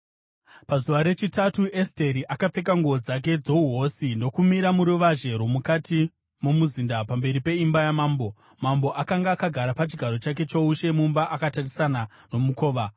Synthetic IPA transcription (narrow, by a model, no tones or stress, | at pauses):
pazuʋaɾe̞t͡ʃitatuʔeste̞ɾiʔakap͡fe̞k̬aŋɡuod͡zak̬e̞d͡zo̞uɦo̞sindo̞kumiɾamuɾuʋaʒe̞ɾomukatʰi | mumuzindapambe̞ɾipe̞imbajamaːmbo̞ | mambo̞ʔakaŋɡaːkaɡʱaɾapat͡ʃiɡʱaɾo̞t͡ʃak̬e̞t͡ʃouʃe̞mumbaʔakatarisana | no̞muko̞ːʋa